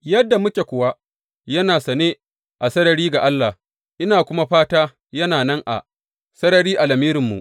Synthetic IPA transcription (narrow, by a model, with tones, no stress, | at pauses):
jɐ˦dːa˨mʊ˦kʲe˨kʷʊ˨wa˦ | jɐ˦naː˨sɐ˨neː˦ | ʔa˨sɐ˦ɾɐ˨ɾiː˦ɡa˨ʔa˦lːa˨ | ʔɪ˦naː˨kʷʊ˦ma˦ɸaː˦taː˦ | jɐ˦naː˨nɐ˦ŋʔa̰˨ | sɐ˦ɾɐ˨ɾiː˦ʔa˨lɐ˨miː˦ɾɪ˨mːṵ˨ʔ